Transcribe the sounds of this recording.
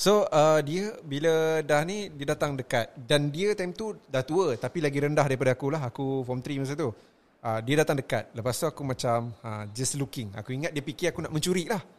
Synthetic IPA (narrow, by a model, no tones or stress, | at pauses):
soədiəbilədahnidiədat̪aŋdəkat̪̚dandiət̪ajmt̪udaht̪uət̪apilaɡiɾəndahdaɾip̬adaakulaɦakufɔmt̪ɾimas̬at̪u | ədiədat̪aŋdəka̰t̪̚ləpast̪uakumãt͡ʃamə̃d͡ʒəslukɪŋa̰kuiŋat̪̚diəpikiakunaʔmə̃ɲt͡ʃuɾiʔlah